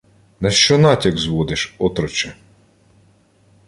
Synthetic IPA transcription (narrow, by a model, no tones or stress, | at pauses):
nɐʃt͡ʃɔnɑtʲɐɡzʋɔd̪ɪʃɔt̪ɾɔt͡ʃɛ